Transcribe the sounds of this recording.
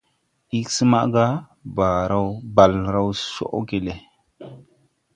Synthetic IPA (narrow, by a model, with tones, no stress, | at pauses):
i˦ksi˦ma̰˦ʔɡa˦ | ba˨ɾa˦wba˨lɾa˦wso̰˦ʔɡe˨le˨